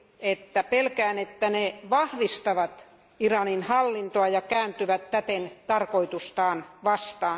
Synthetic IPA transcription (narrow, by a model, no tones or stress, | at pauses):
et̪ːæpelkæːnet̪ːæneʋɑhʋist̪ɑʋɑt̪ | irɑninhɑlːint̪oɑjɑkæːnt̪yʋæt̪tæt̪ent̪ɑrkoit̪ust̪ɑːnʋɑst̪ɑː